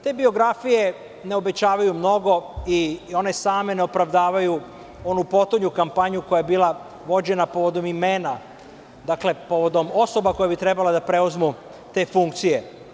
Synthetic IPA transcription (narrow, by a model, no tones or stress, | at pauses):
t̪e̞ːbio̞ɡɾafije̞ | ne̞o̞be̞t͡ɕaːʋajumno̞ɡo̞io̞ne̞saːme̞neo̞pɾaʋd̪aːʋaju | o̞nupo̞t̪uɲukampaɲuko̞jajebiːla | ʋo̞d͡ʑe̞napo̞ʋo̞d̪o̞mime̞ːna | d̪aːkle̞po̞ʋo̞d̪o̞mo̞so̞bako̞jabit̪ɾebalad̪apɾe̞uzmu | t̪e̞ːfuŋkt̪sije̞